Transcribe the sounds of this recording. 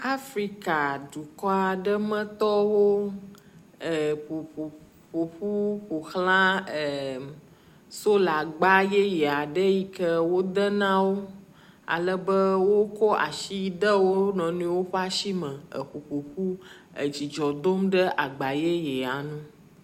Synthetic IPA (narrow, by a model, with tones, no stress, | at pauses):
a˦fɾi˦ka˨ɖu˨kɔ˦a˨ɖə˦mə̃˦t̪ɔ˦wo˦ | ə˨ɸu˨ɸu˨ | ɸo˨ɸu˦ɸu˨xlã˦ə˨ | so˦la˨ɡ͡ba˦je˦jɛ˨a˨ɖə˦ji˦kə˦wo˦d̪ə˦nã˦wo˦ | a̰˨lə˦bə˦wo˦kɔ˦ʔa̰˨ʃi˦d̪ə˦wo˦nɔ̃˨nũ˦wo˦ɸa˦ʃi˦mə̃˨ə̰˨ɸu˨ɸu˨ɸu˦ə̰˨d͡ʑi˨d͡ʒɔ˨d̪o˦mɖə˦ʔa˨ɡ͡ba˨je˦jɛ˨a˨nũ˦